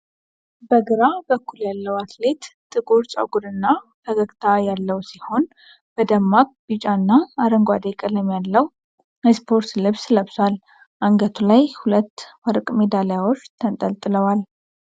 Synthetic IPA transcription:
bəɡɨɾabəkːuljalːəwat̪ʰle̞t̪t̪ʼɨɡoɾt͡ʃʼa̰ɡud̪ɨnːafʰəɡəɡʼt̪ʰajalːəwsiho̞n | b̥əd̪əmːak̚bit͡ʃʼanːaːɾəŋɡʷad̪ekʼələmjalːəw | spʰo̞ɾt̪lɨβsləβswal | ʔaŋɡət̪ʰulajhulət̪ːwəɾkʼme̞d̪alejawot͡ʃːt̪ʰənt̪ʼəlt̪ʼɨləwal

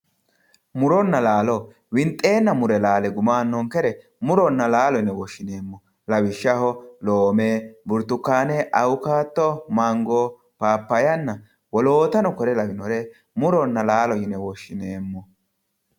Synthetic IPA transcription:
mʊɾɔnːɐlaːlɔ | wɪnt̪ʼe̞ːnːɐmʊɾɛlaːlɛɡʊmaːnːɔŋkɛɾɛ | mʊɾɔnːɐlaːlɔɪnɛwɔʃːɪne̞ːmːɔ | lɐwɪʃːɐhɔloːmeːbʊɾt̪ːʊkːaːnɛʔɐwʊkaːt̪ːɔmɐŋɡɔ | paːpːɐjɐnːɐ | wɔlo̞ːt̪ɐnɔkɔɾɛlɐwɪnɔɾɛ | mʊɾɔnːɐlaːlɔjɪnɛwɔʃːɪneːmːɔ

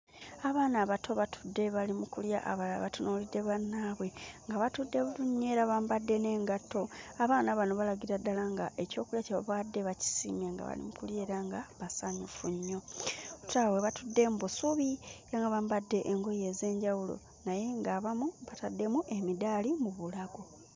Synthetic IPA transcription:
aβaːnaβatʰo̞βatʰu̥dːe̞βalimukulja̰ʔa̰βalaβatunulidːe̞βanːaːβwe̞ŋɡaβatudːe̞βuɾuɲːe̞ːɾaβambadːe̞ne̞ːŋɡato̞aβaːnaβano̞βalaɡiɾadːalaŋɡaʔe̞co̞ːkuljaceβaβaːdːe̞βaci̥sḭmjaŋɡa̰βa̰lḭmukulje̞ːɾaŋɡaβasaɲufuɲːo̞ututaweβatudːe̞mbusuβijaŋɡaβambadːe̞ʔːŋɡo̞je̞ːze̞ːɲɟawulo̰ | naje̞ŋɡaβamuβatadːe̞muʔe̞midalimuβulaɡo

